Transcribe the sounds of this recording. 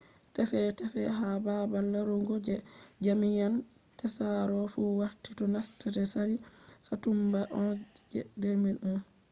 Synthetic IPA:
tɛfɛtɛfɛɦababalːaɾuŋɡod͡ʒɛd͡ʒamijan | tɛsaɾɔfuwaɾtitɔnastatɛsaɾisatumbaʔɔd͡ʒɛdeminun

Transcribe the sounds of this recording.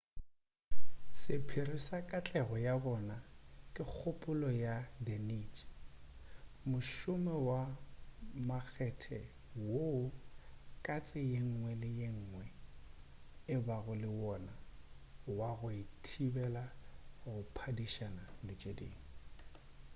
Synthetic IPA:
sɪpʰɪrɪsakʼat͡ɬʼɛɣɔjabɔnakʼɪk͡xʰʊpʼʊlɔjadɛnit͡ʃʼ | mʊʃʊmɛwa | mak͡xʰɛtʰɛ | woʊkʼat͡sʼɪjeŋ̩ŋwɛlɪjeŋ̩ːŋwɛ | ɪbaɣʊlɪwɔna | waɣʊɪtʰibɛlaɣʊpʰadiʃanalɪt͡ʃʼedḛːŋ̩

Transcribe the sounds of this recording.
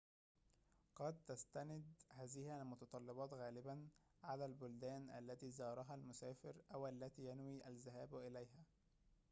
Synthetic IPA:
qɑd̪̚t̪ast̪anɪd̪hæːzɪhɪalmʊt̪ɑt̪ˤɑlːɪbɑːt̪ɣæːlɪban | ʕalæːlbʊld̪æːnʔa̰lːæt̪iːzɑːɾˤɑɦælmʊsæːfɪɾʔæwʔalːæt̪iːjanwiːʔælzɪɦæːbʔɪlæjɦæː

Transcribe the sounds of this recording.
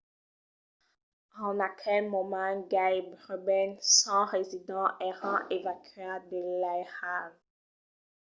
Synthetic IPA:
ɑ̃nakʰɛlmɔmãɡajbʁəbɛnsɑ̃ʁezid̪ɑ̃ʔɛʁɑ̃ʔevakʰyad̪əlajʁal

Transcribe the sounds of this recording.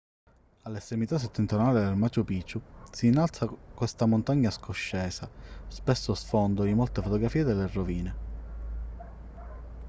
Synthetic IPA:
alːesemit̪as̬ːet̪ːent̪ɾonaːlid̪elmat͡ʃopiːt͡ʃusiːnːalt̪sakwest̪amont̪aɲːaskʰoʃːɛːsaspesːosfond̪oimɔlt̪efot̪oɡɾafiːed̪eleroviːne

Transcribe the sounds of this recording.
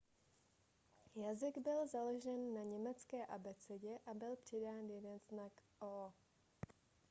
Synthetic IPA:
jazɪɡbɪlzaloʒɛnːaɲɛmɛt͡skɛːʔabɛt͡sɛɟɛʔabɪlpr̝̥ɪdaːnjɛdɛnznakʔo

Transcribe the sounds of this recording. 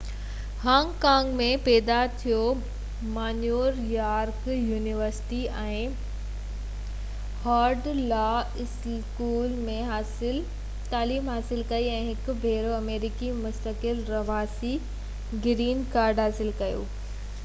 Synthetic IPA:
hãːŋɡkãːŋɡmẽpɛːd̪at̪ʰijo | maːnjuːɾjaːɾkjuːniʋəɾsɪ̥ʈiɛ̃ː | haːɾɖlaːɪs | kuːlmẽɦ | ɪ | t̪aːliːmɦaːsɪlkɐiɛ̃ːɦɪkʊbʱeːɾoɐmeːɾikimʊst̪əkɪlɾɐʋaːsi | ɡɾiːnkaːɾɖɦaːsɪlkɐjo̰ː

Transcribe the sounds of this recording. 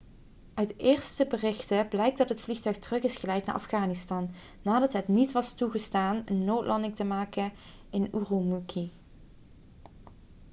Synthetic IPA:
ʔœɥtɪːɹstəbərɪxtəblɛjk̚dɑtɦətflixtœɥxtərɵχɪsχəlɛjtnaːɹʔɑ̰fχaːnɪstɑnː | aːdɑtɦətnitʋɑstuɣəstaːnənːowtlʔɑndɪŋtəmaːkən | ɪnurumukʰi

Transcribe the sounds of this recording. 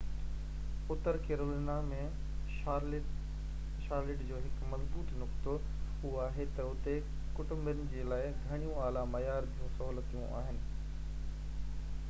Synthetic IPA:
ʊt̪əɾkeːɾoːliːnamẽ | ʃaːɾlɪʈd͡ʑoːɦɪkmɐzbuːt̪nʊkt̪o | ɦʊɦoaːɦet̪ɐʊt̪e | kʊʈʊmbɪɾən̆d͡ʑeːlaːɪɡʱɐɽ̃ijũaːlamɐjaːɾd̪ijũsɐɦuːlət̪ijũʔa̰ːɦɪnɪ̆

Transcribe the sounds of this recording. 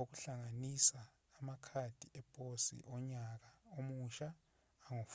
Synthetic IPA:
ok̬uɬaŋanisaː | makʰad̥ʱiʔɛpʼosḭʔɔɲak̬aomuʃaː | ŋof

